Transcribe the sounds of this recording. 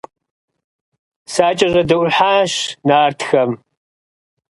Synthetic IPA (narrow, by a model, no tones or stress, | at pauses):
saːt͡ʃʼɐʑɐdɨʔʷʊħaːɕnaːrtʰxɐm